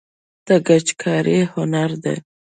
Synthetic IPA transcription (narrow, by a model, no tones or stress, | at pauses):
d̪̥əɡat͡ʃkʰɑɾihʊnaɾd̪ḛ